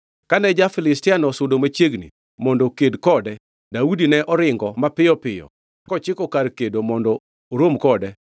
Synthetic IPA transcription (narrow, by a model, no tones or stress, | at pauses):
kanɛd͡ʒafɪlɪstɪanɔsʊdomat͡ʃjeɡnḭ | mɔndɔkedkɔdɛ | daudinɛʔɔɾɪŋɡɔmapɪjɔpɪjɔ̰ | kɔt͡ʃɪkɔkarkedomɔndɔ | oɾomkɔdɛ